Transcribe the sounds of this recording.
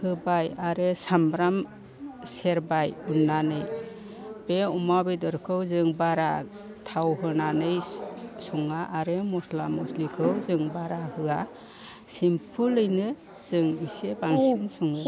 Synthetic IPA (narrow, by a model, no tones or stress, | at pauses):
hɯbajaɾɯsambɾam | seɾbajunːanɯj | b̥eumabidɯɾkʰɯwzɯŋbaɾa | tʰawɦɯnanɯjsɔŋaʔːɾɯmɔslamɔslikʰɯwzɯŋbaɾahɯa | simpʰulːɯjnɯ | z̥ɯŋisebaŋsinsɔŋɯ